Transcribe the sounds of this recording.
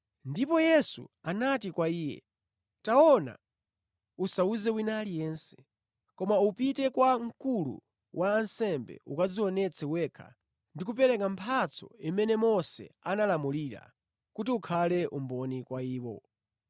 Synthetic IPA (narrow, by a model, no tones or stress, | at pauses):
ndipɔjɛsṵanatikwaiːjɛ̰ | taɔna̰ | usauzɛwinalijɛnsɛ̥ | kɔmaupitɛkwaŋ̩kulṵ | wʔaːnsɛmbɛ̰ʔukaziwɔnɛt͡sʰɛwɛkʰa̰ | ndikupɛɾɛkampʰat͡sʰɔ̰imɛnɛmɔsɛ̰analamuliɾa̰ | kutiukʰalɛʔumbɔnikwaiːwɔ̰